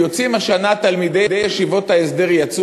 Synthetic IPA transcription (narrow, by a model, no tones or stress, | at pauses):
o̞t͡simaʃanat̪almid̪e̞jd̪ejeʃivo̞t̪aesd̪e̞ʁjat͡su